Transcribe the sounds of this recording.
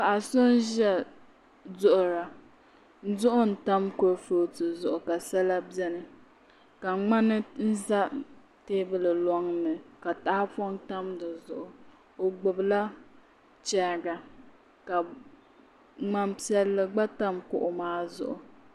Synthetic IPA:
ka˨a˨so˦n˦ʒɛ˦ | zʊ˦ʔʊ˨ɾa˨ | n̩˦zʊ˦ʔʊ˦n̩˨ta˦mkʊ˦ɾfo˦tɨ˨zʊ˨ʔʊ˨ka˨sa˦la˦bjɛ˦nɨ˨ | ka˨ŋ͡ma˦nɨ˦n̩˦za˦ | teː˦bɨ˨lɨ˨lɔ˦ŋnɨ˨ka˨ta˨˦fɔ˦ŋta˦mdɨ˨zʊ˨ʔʊ˨ | o˨ɡ͡bʊ˨bla˦ | t͡ʃɛː˦˨ɡa˨ | ka˨ | ŋ͡ma˦m˦pi˦ɛ˦lːɨ˦ɡ͡ba˦ta˦mkʊ˦ʔʊ˨maː˦zʊ̰˨ʔʊ˨

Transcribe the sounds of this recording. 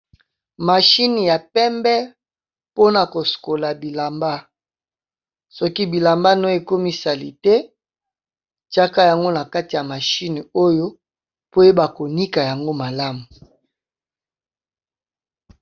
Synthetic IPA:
ma˨ʃi˦ni˨ja˨pɛ˦mbɛ˦ | po˦na˨ko˨su̥˨ko˨la˨bi˨la˨mba˦ | sɔ˦ki˦bi˨la˨mba˦no˦e˦˨ko˦mi˦sa˨li˨tɛ˦ | t͡ʃa˦ka˦ja˨ŋɡo˦na˨ka˦ti˨ja˨ma˨ʃi˦ni˨o˦jo˦ | po˦je˦ba˨ko˨ni˦ka˨ja˨ŋɡo˦ma˨la˦mu˨

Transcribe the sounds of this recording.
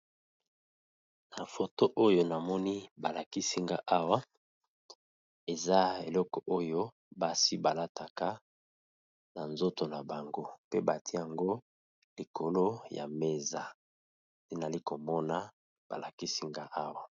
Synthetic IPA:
na˨fo˨to˦ʔo˦jo˦na˨mɔ˦ni˦ba˨la˨ki˦si˦ŋɡa˦ʔa˦wa˦ | e˨za˦e˨lɔ˦kɔ˨ʔo˦jo˦ | ba˨si˦ba˨la˦tʰa˨ka˦ | na˨nzo˦to˨na˨ba˨ŋɡo˦pe˦ba˨tʰi˦a˨ŋɡo˦ | li˨kʰo˨lo˦ja̰˨me˦za˨ | te˦na˨li˦ko˨mɔ˦na˦ | b̥a̰˨la˨ki˦si˦ŋɡa˦ʔa˦wa˨

